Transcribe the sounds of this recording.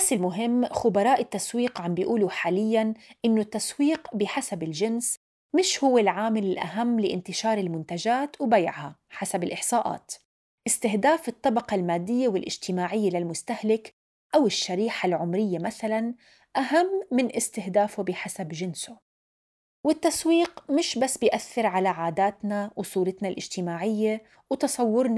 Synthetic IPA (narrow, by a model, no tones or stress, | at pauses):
basːɪlmʊɦɪmːxʊbɑɾˤɑːʔɪt̪ːaswiːqʕambɪjʔuːlʊħaːlɪjːanʔɪnːʊt̪ːaswiːqbɪħasabɪlʒɪns | mɪʃhʊwːɪlʕaːmɪlɪlʔa̰ɦamːlɪʔɪ̰nt̪ɪʃɑːɾˤɪlmʊnt̪ad͡ʒaːt̪wbaja̰ʕhaħasabɪlʔɪħsˤɑːʔa̰ːt̪ | ʔɪst̪ɪɦd̪aːfɪt̪ˤːɑbɑqɑlmaːd̪ːɪjːawɪlʔɪ̰d͡ʒt̪ɪmaːʕɪjːalɪlmʊst̪ahlɪk | ʔawɪʃːaɾiːħalʕʊmɾɪjːamaθalan | ʔaɦamːɪnʔɪst̪ɪhd̪aːfʊbɪħasabʒɪnsʊ | wɪt̪ːaswiːqmɪʃbasːbɪjʔaθːɪɾʕalaʕaːd̪aːt̪nawsˤuːɾɪt̪nalʔɪ̰d͡ʒt̪ɪmaːʕɪjːa | wt̪ɑsˤɑwːʊɾn